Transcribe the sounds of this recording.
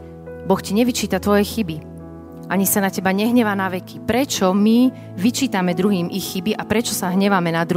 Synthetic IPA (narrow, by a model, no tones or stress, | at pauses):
bɔxciɲɛʋit͡ʃiːt̪at̪ʋɔjɛxibi | ʔaɲisanacɛbaɲɛɦɲɛʋanaʋɛkipɾɛt͡ʃɔmi | ʋit͡ʃiːt̪amɛd̪ɾuɦiːmʔixːibiʔapɾɛt͡ʃɔsaɦɲɛʋamɛnad̪ɾu